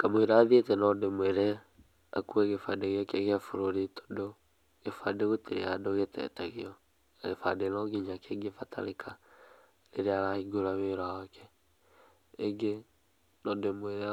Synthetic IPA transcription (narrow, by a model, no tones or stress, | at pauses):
kamoeɾaðetɛnɔdemweɾɛ | a̰kueɣefadeɣakeɣeafoɾoɾitʰo̥do | ɣefadeɣoteɾeadoɣetʰɛ̰taɣeɔ | ɣefa̰denɔɡiɲakeɡefatʰa̰ɾekʰa | leɾeaɾahiɡoɾaβeɾawakɛ | ɡe | nɔdemweɾɛ